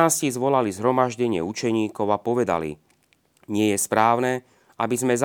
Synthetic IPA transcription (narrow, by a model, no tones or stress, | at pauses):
aːscizʋɔlalizɦɾɔmaʒɟɛɲɪɛ̰ut͡ʃɛɲiːkɔʊapɔʋɛd̪a̰lḭ | ɲɪɛjɛspɾaːʊnɛː | ʔabizmɛz